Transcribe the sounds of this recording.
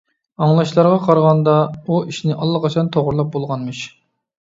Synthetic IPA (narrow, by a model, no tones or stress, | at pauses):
ɑŋlˠɑʃlˠɑɾʁɑqʰɑɾʁɑnd̪ɑuiʃnɪʔɑlˠːɑqɑt͡ʃʰɑnt̪ʰoʁʊɾlˠɑp̚bolˠʁɑnmɨʃ